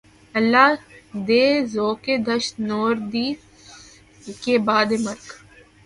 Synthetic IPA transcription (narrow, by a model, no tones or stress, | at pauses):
ɐlːad̪eːzoːked̪ɐʃnoːɾd̪iː | kebaːd̪emɐɾk